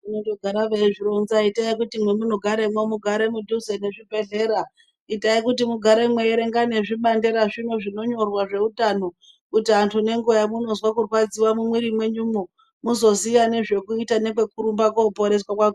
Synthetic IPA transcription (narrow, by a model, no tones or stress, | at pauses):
inotoɡʱaɾaʋeʐiɾo̞nzaitaikutimwe̞muno̞ɡʱaɾemwomuɡʱaɾemudʱuzene̞ʐibʱe̞ɮe̞ːɾa | itaikutimuɡʱaɾe̞mwe̞eɾe̞ŋɡane̞ʐiɓande̞ɾaʐino̞ʐino̞ɲo̞rwaʐe̞utano̞ | kutiantʰune̞ŋɡojamuno̞zwakurwad͡ziwamumwiɾimwe̞ɲumo | muzo̞sijane̞ʐe̞kuitane̞kwe̞kuɾumbakoupo̞ɾe̞swakwako